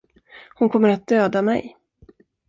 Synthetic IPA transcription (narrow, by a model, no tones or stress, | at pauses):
hʊnkʰɔmːəɾat̪̚d̪øːd̪amɛ̰j